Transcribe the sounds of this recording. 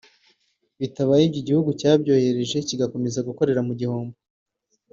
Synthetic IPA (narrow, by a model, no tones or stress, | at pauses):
βitaβajibɟoɟihuɡucaːbɟo̞ːhe̞ɾe̞ʒe̞ciɡako̞me̞zaɡuko̞ɾe̞ɾamuɟihoːmbo